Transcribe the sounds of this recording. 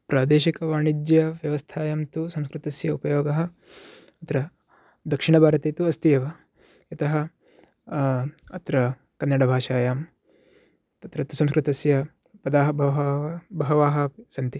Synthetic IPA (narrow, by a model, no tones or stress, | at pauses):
pɾaːd̪eːʃikɐʋaːɳid̪jɐʋjɐʋɐst̪ʰaːjaːmt̪usɐmskɾɪt̪ɐsjɐupɐjoːɡɐɦɐ̆ | ɐt̪ɾɐ | d̪ɐkʂiɳɐbʱaːɾɐt̪eːt̪uɐst̪ijɐʋɐ | ɐt̪ɐɦɐ̆ | ɐt̪ɾɐ | kɐnːɐɽɐbʱaːʃaːjaːm | t̪ɐt̪ɾɐt̪usɐms̬kɾɪt̪ɐsjɐ | pɐd̪aːɦɐbɐbɐɦɐʋaːɦɐ̆sɐnt̪i